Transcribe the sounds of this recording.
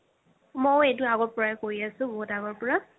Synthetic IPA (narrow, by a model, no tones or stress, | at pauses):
mojejtʊaɡɔɹpɔɹaɛkoɹiasʊ̃bɔɦutaɡɔɹpɔɹa